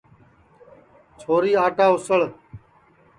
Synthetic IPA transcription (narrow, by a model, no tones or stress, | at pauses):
t͡ʃʰoːɾiːaːʈaːʊsəɭ